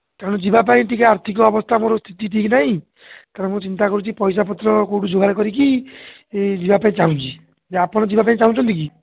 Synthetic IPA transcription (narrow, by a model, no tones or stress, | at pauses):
kaɾɔɽ̃ɔd͡ʒibap̬aĩʈikaaɾt̪ʰik̬ɔɔbɔst̪ʰamoɾɔst̪ʰit̪iʈʰiknaɦĩ | t̪aɾemũt͡ʃint̪akɔɾut͡ʃʰipɔjsapɔt̪ːɾɔkowʈud͡ʒoɡaɾekɔɾiki | ed͡ʒibapaĩt͡ʃaɦũt͡ʃʰi | d͡ʒeapɔɽ̃ɔd͡ʒibapaĩt͡ʃaɦũt͡ʃʰɔnt̪ik̬i